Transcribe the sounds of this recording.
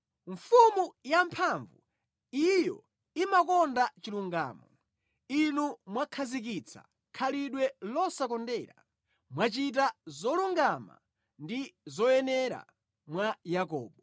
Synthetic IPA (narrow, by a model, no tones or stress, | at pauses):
ɱfumujampʰaɱvu | ijɔ̰ | imakɔndat͡ʃiluŋɡa̰ːmɔ | inumwakʰazik̬it͡sʰa̰ | kʰaliɗwɛlɔsakɔndɛɾa̰ | mwat͡ʃit̬azɔluŋɡama̰ | ndizɔjɛnɛɾa̰ | mwajakɔ̰ːɓɔ